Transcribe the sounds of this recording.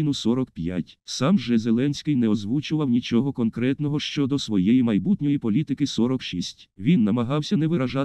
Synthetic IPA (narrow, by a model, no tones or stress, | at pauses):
nʊsɔɾɔkpʲja̰tʲsɑmʒɛzelˠɛnʲsʲkɪjnɛɔzʋut͡ʃʊʋɐwnʲit͡ʃɔɦɔkɔnkɾɛt̪nɔɦɔʃt͡ʃɔd̪ɔsʋɔjɛjimɐjbut̪ʲnʲɔjipɔlʲit̪ɪkɪsɔɾɔkʃisʲtʲʋʲinːɐmɐɦɑwsʲɐnɛʋɪɾɐʒɑ